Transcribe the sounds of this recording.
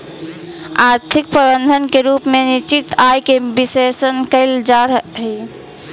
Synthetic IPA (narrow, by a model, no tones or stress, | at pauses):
aɾt̪ʰik̚pɾəbənd̪ʱənkeɾuːpmenit͡ʃit̪ajkebisesənkəɪld͡ʒaɾɦi